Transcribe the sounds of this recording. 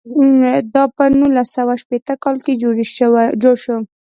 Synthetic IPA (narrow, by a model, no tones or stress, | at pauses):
d̪ɑpənulasawaʃpet̪əkɑlked͡ʒoɽiʃd͡ʒoɽʃo